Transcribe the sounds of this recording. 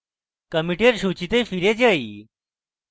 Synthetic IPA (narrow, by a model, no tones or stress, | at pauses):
kəmiʈeɾɕut͡ɕit̪efiɾed͡ʑaḭ